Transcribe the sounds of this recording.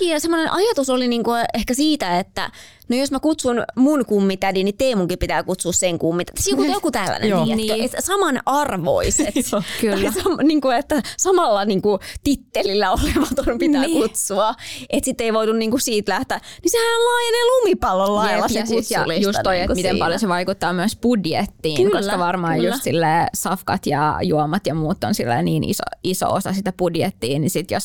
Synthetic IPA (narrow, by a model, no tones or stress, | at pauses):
kiːɑsemːonenʔɑjɑt̪usoliniːŋkuehkæsiːt̪æet̪ːæ̰ | nojosmækut̪sunmunkumːit̪ædinit̪eːmuŋkipit̪æːkut̪suːsseŋkumːit̪æt̪ːsikut̪ːojokut̪ælːæ̰nḛeket̪sɑmɑnʔɑrʋo̰iset̪kylːsɑmniːŋkuet̪ːæsɑmɑlːɑniːŋkut̪it̪ːelilːæoleʋɑt̪onpit̪ænykut̪suɑʔet̪sit̪ːeiʋoit̪unniːŋkusiːt̪læht̪æːnisehænlɑːjenelumipɑlːollɑlːɑsesut̪sɑlijust̪ojet̪umit̪empɑljoseʋɑikut̪ːɑːmyæspudjet̪ːiːnkosːkɑʋɑrmɑːjjussilːeːsɑfkɑ̰t̪jɑ̰juomɑt̪jɑmuːt̪ːo̰nsilːæ̰ːniːnḭso̰iso̰o̰sɑsit̪æpudjet̪ːiːnisit̪jos